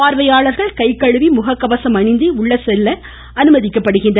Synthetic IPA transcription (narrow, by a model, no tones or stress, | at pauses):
aːɾʋɐjaːɭɐɾɣɐɭkɐɪkːɐɻɯʋimʊɣɐkːɐʋɐsɐmɐɳɪnd̪iʊɭːɐsɛlːɐ | ɐnɯmɐðɪkːɐpːɐɽɯɣɪndrɐ